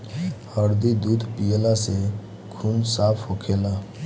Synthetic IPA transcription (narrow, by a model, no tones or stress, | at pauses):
həɾd̪id̪uːd̪ʱpijelase | kʰunsaːpʰhokʰeːla